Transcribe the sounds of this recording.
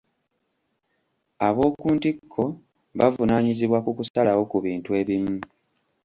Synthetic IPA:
aβo̞ːkuːntikʰːo̞ | βavunaːɲiziβwakukusalawo̞kuβiːntue̞ːβimu

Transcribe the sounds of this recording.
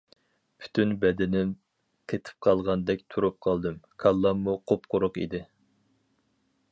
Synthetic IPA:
pʰy̥t̪ʰynbɛd̪ɪnɪm | qʰet̪ʰɪ̥p̚qʰɑlˠʁɑnd̪ɛkʲt̪ʰuɾup̚qʰɑlˠd̪ɨmkʰɑlˠːɑmːuqʰopqʊɾʊqḭd̪ɪ

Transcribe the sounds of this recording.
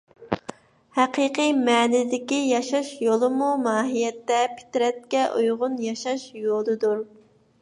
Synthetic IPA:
hɛqiqɨmɛːnɪd̪ɪkʲijɑʃɑʃjolˠɨmumɑːɦijɛt̪ːɛpʰɪ̥t̪ɪɾɛt̪̚kʲɛʔujʁʊnjɑʃɑʃjolˠɨd̪uɾ

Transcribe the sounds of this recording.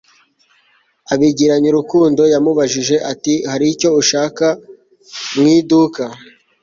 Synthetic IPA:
aβiɟiɾaɲuɾukuːndo̞jamuβaʒiʒe̞ʔatihaɾico̞uʃaːka | mŋiːduka

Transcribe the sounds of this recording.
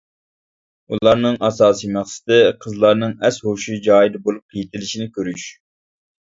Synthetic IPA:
ullˠɑɾnɨŋʔɑsɑːsijmæχsɪ̥t̪ɪqʰəzlˠɑɾnɨŋɛshoʃid͡ʒɑːjid̪ɨbolˠup̚qʰijit̪ʰɪlɪʃinɪkʲøɾyʃ

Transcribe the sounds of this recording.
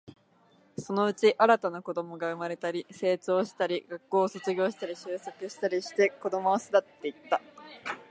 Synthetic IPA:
so̞no̞ɯ̟t͡ɕiʔaɾat̪anako̞d̪o̞mo̞ɡaɯ̟maɾe̞t̪aɾʲise̞ːt͡ɕo̞ːɕi̥t̪aɾʲiɡ̥akːo̞ːso̞t͡sɨɡʲo̞ːɕi̥t̪aɾʲiɕɨːso̞kɯ̟ɕi̥t̪aɾʲiɕi̥t̪e̞ko̞d̪o̞mo̞ːsɨd̪at̪ːe̞it̪ːa

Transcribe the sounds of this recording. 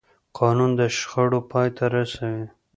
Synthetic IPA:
qʰɑnund̪əʃxəɽopʰɑjt̪ʰaɾasawi

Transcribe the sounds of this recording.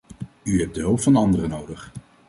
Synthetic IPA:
yɦɛp̚dəɦɵwpfɑnɑndərənowdəχ

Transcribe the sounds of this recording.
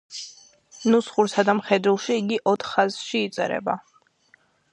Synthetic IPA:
nusχuɾsad̪amχɛd̪ɾulˠʃiːɡiʔɔt̪ʰχaz̥ʃiːt̪sʼɛ̰ɾɛ̰ba

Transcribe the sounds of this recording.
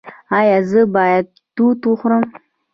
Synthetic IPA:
ajazɨbaja | tutuχʷɾəm

